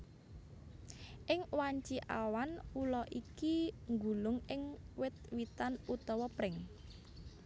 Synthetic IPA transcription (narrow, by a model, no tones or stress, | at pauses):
ʔɪŋwaɲt͡ʃiʔa̰wanulɔʔikiŋɡulʊŋɪŋwɪt̪̚wit̪anut̪ɔwɔpɾɪŋ